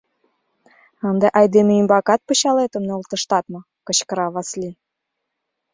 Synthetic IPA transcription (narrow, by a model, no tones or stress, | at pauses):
ənd̪eʔɑjd̪emeimbɑkɑt̪̚pɤ̆ɕɑlet̪ə̆mneult̪ɤ̆ʃt̪ɑt̪mɤ̆ | kɤ̆ɕkə̆ɾɑβɑslʲi